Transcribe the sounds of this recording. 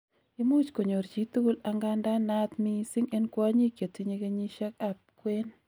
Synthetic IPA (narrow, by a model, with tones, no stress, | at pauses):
i˦mu˦t͡ʃko˨ɲo˨ɾt͡ʃi˨˦t̪u˦la˦ŋɡa˦nda˦na˦t̪mi˦si˦ŋe˦nkwa˦ɲi˦kje˨ti˦ɲe˦ɡe˦ɲi˦ʃa˦ka˦p̚kwe˦n